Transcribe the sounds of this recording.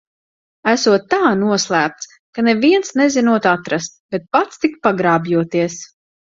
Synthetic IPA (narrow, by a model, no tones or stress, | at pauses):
æsuɔt̪ːaːnuɔslˠæːp̚t̪s | kaneviɛnsnɛzinuɔt̪at̪ɾast̪̚bɛt̪̚pat̪st̪ikpaɡɾaːbjuɔt̪iɛs